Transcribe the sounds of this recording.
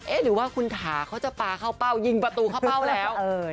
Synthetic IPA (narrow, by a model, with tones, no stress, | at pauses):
ʔeː˥˩ɾɯː˩˦waː˥˩kʰu˧nt̪ʰaː˩˦kʰa˦˥wt͡ɕa˨˩paː˧kʰaː˥˩wpa˥˩wji˧ŋpɾa˧t̪uː˧kʰa˥˩wpaː˥˩wlɛː˦˥w